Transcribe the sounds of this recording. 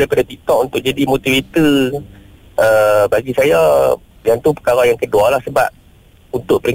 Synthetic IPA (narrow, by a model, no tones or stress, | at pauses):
ajpadat̪it̪ɔʔunt̪ʊʔ̚d͡ʒadimot̪ivit̪i | ʔəbaɡisaja | jant̪upə̥kaɾajaŋkədualahsəba̰p̚ | unt̪ʊʔpəɾiŋ